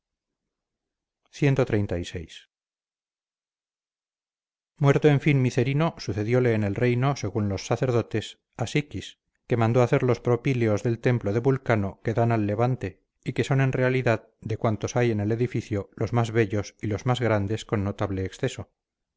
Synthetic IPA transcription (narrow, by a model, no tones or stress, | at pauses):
θje̞nt̪o̞t̪ɾe̞jnt̪aise̞̰js | mwe̞ɾt̪oeɱfinmiθe̞ɾino̞suθe̞ðjo̞le̞ːne̞lre̞jno̞se̞ɣunlo̞sːaθe̞ɾðo̞t̪e̞s | asikis | ke̞mãnd̪oaθeɾlo̞spɾo̞pileo̞zðe̞lt̪e̞mploð̞e̞βulkano̞ke̞ðanalːe̞βant̪e̞ | ike̞so̞ne̞nre̞aliðað | d̪e̞kwant̪o̞saje̞ne̞le̞ðifiθjolo̞zmazβe̞ʎo̞silo̞zmazɣɾand̪e̞sko̞nːot̪aβle̞ːksθe̞so̞